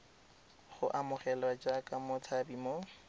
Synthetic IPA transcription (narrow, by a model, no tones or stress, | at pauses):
χʊʔamʊχɛlwad͡ʒakʼamʊt͡sʰabimo